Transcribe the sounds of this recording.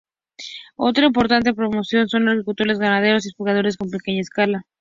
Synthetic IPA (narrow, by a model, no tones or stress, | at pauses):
o̞t̪ɾaimpo̞ɾt̪ant̪̬e̞pɾo̞mo̞sjo̞nso̞naɾkikult̪o̞ɾe̞zɣanað̞e̞ɾo̞s̬iespulɣað̞o̞ɾe̞s̬ko̞mpe̞ke̞ɲaeskala